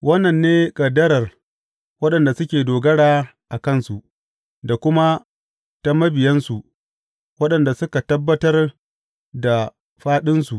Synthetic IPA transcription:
wɐ˦nːɐ˨nːeː˦kʼɐ˨dɐ˦ɾɐ˨r | wɐ˦ɗɐ˨nda˨sʊ˦kʲeː˨doː˨ɡɐ˦ɽaː˦ | ʔa˨kɐ˦˨nsu˨ʔ | da˨kʷʊ˦ma˦ | ta˦mɐ˦bɪ˨jɐ˦nsu˨ʔ | wɐ˦ɗɐ˨nda˨sʊ˦ka˨tɐ˦bːɐ˦tɐ˦r | da˨ | ɸaː˦ɗɪ˦nsu˨ʔ

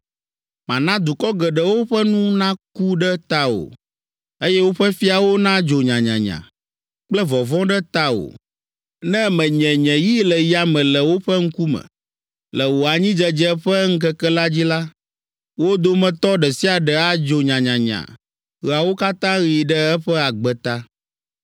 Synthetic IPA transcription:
mã˨nã˦d̪u˨kɔ˦ɡɛ˨ɖɛ˨wo˦ɸɛ˦nũ˦nã˦ku˦ɖɛ˦t̪a˦o̰˨ | e˦jɛ˦wo˦ɸɛ˦fi˦a˨wo˦nã˦d͡ʒo˨ɲã˨ɲã̰˨ɲã̰˨ | k͡plɛ˦vɔ˨vɔ̃˦ɖɛ˦t̪a˦o̰˨ | nɛ̃˦mɛ̃˨ɲɛ̃˨ɲɛ̃˨ji˦lɛ˨ji˦a˨mɛ̃˨lɛ˨wo˦ɸɛ˦ŋ̩˦ku˦mɛ̰̃˨ | lə˨wo˨a˨ɲĩ˦d͡ʒɛ˦d͡ʒɛ˦ɸɛ˦ŋ̩˦kɛ˦kɛ˦la˦d͡ʑi˦la˦ | wo˦d̪o˦mɛ̃˨t̪ɔ˦ɖɛ˨si˦a˨ɖɛ˨a˦d͡ʒo˨ɲã˨ɲã˨ɲã̰˨ | ɣi˨a˨wo˦ka˦t̪ã˦ɣi˨ɖɛ˦ɛ˦ɸɛ˦a˨ɡ͡bɛ˨t̪a˦

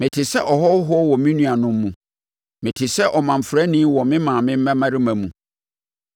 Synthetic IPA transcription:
mɪ̃˨tʰɪ˨sɛ˦ʔɔ˨hɔ˦ɦʊ˦ɔ˦wɔ˨mĩ˦nũ˦a˨nʊ̃˦mː˦ũ˨ | mɪ̃˨tʰɪ˨sɛ˦ʔɔ˨mã˨m̩˨fɾɛ˦nɪ̃˦wɔ˨mɪ̃˦mãː˨mɪ̃˦m̩˦æ̃˦mã˦ɾɪ˦mæ̃˨mũ˨

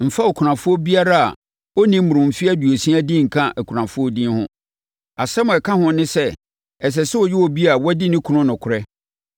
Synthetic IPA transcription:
m̩˨fa˦ɔ˨kʰɾã˨fʊ˦ɔ˦bi˦a˦ɾa˦a̰˨ | ɔ˦nĩ˦m˦mũ˨ʊ̃˨m̩˨fi˦a˦du˨o˨sĩ˦a˦dĩ˦ŋ̩˨kʰã˦ʔɛ˨kʰu˨ɾã˨fʊ˦ɔ˦dĩ˦n˦hʊ̰̃˦ | a˨sɛ˦mʊ̃˨ɛ˨kʰã˦hʊ̃˦nɪ̃˦sɛ˦ | ɛ˨s̬ɛ˨sɛ˦wɔ˨jɪ˦wɔ˨bi˦a˨wɔ˦dɪ˦nɪ̃˦kʰu˦nʊ̃˦nʊ̃˨kʰʊ˨ɾɛ˦

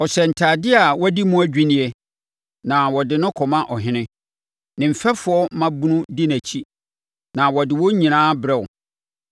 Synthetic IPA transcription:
ɔ˨ɕɛ˨n̩˨tʰaː˨dɪ˦a˨wɔ˦di˦mũ˦æ˦d͡ʑᶣi˦nɪ̃˦ɛ˦ | nã˨wɔ˨dɪ˨nʊ̃˦kʰɔ˨mã˦ʔɔ˨ɦɪ̃˦nɪ̃˦ | nɪ̃˨m̩˨fɛ˦fʊ˨˦ɔ˦mã˦bu˦nʊ̃˦di˦næ˨t͡ɕʰi˦ | nã˨wɔ˨dɪ˨wɔ˦ɲĩ˨nãː˦bɾɛ˦ʊ˨

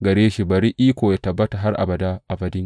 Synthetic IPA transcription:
ɡɐ˨ɾeː˦ʃi˦bɐ˨ɾi˦ʔiː˦kʷoː˨ja˦tɐ˨bːɐ˦ta˨ɦa˦rʔa̰˨bɐ˨da˦ʔa˨bɐ˦dɪ˦ŋ

